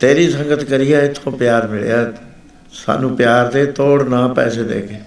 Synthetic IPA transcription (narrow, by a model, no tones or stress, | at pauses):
t̪eːɾiːsə̃ŋɡət̪kəɾɪjaːɪt̪ʰːõːpɪjaːɾmɪɭḛjaː | sa̰ːnũːpjaːɾd̪eːt̪oːɽnãːpɛ̰ːseːd̪ḛːkeː